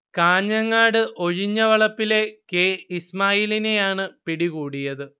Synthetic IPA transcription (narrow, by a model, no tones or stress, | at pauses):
kaːɲːɐŋːaːɽɨʔo̞ɻiɲːɐʋɐɭɐpːile̞keːismaːjiline̞jaːɳɨpiɽiɣuːɽijɐðɨ